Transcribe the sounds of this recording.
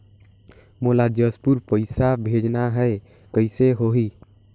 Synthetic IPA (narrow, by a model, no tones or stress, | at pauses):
molad͡ʒəspuɾpəɪsabʱed͡ʒnaɦəe | kəɪseɦoɦi